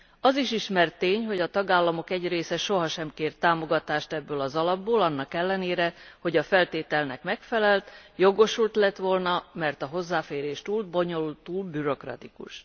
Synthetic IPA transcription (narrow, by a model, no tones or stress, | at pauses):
ɒziʃiʃmɛrt̪ːeːɲɦo̞ɟɒt̪ɒɡaːlːɒmo̞kɛɟreːsɛʃo̞ɦɒʃɛmkeːrt̪aːmo̞ɡɒt̪aːʃt̪ɛbːøːlɒzɒlɒbːoːlɒnːɒkɛlːɛneːɾɛho̞ɟɒfɛlt̪eːt̪ɛlnɛkmɛkfɛlɛlt̪jo̞ɡo̞ʃult̪lɛt̪ʋo̞lnɒmɛrt̪ɒɦo̞zːaːfeːɾeːʃt̪uːlbo̞ɲo̞lult̪uːlbyɾo̞krɒ̰t̪ikṵʃ